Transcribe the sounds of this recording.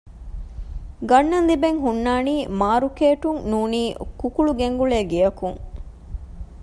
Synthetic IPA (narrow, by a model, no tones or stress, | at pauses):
ɡɐnːɐnlibeŋɦunːaːniːmaːɾukeːʈuŋnuːniːkukuɭuɡeŋɡuɭeːɡijɐkuŋ